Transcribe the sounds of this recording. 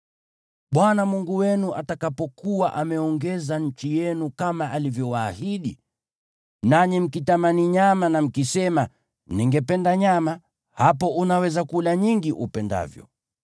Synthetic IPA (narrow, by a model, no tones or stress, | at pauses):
ɓwanamuŋɡuwɛnuʔa̰takapɔkuwaʔamɛɔŋɡɛzaɲ̩t͡ʃijɛnukamaʔalivjɔwaːhiɗi | naɲim̩kitamaniɲamanam̩kisɛma | niŋɡɛpɛndaɲama | hapɔunawɛzakulaɲiŋɡiʔupɛnda̰vjɔ̰